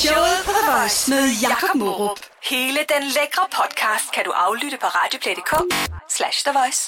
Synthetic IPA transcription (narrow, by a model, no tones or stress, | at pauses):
ʃɔʊð̩ˠpʰɒdeʋɒɪsmeðˠjɑ̈kʰɒb̥moʁohe̝ːləd̥enleɡ̥ʁɐpʰɒ̽d̥kʰɑːsd̥̚kʰæd̥uʔɑ̈ʊlyɾ̥əpʰɒ̽ʁɑ̈ːd̥jo̝pʰled̥ekʰɔ̽slæɕd̥eʋɒɪs